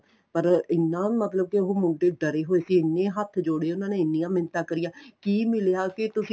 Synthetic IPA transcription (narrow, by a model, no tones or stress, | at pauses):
pəɾɪnːãːmət̪ləb̚keʊɦoːmʊ̃ɳʈeːɖəɾeːɦoːeːsiːɪnːẽːɦət̪ʰd͡ʒoːɽeːʊnãːnẽːɪnːijãːmɪnt̪ãːkəɾijãːkiːmɪlejaːket̪ʊsĩ